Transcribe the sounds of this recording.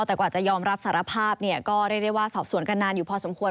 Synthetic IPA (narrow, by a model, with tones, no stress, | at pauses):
wt̪ɛː˨˩kwaː˨˩t͡ɕa˨˩jɔː˧mɾa˧˦˥p̚saː˩˦ɾa˧pʰaː˥˩p̚ni˥˩ɐkɔː˥˩ɾaː˥˩da˥˩waː˥˩sɔː˨˩p̚su˩˦ənka˧nːaː˧njuː˨˩pʰɔː˧so˩˦mkʰu˧ə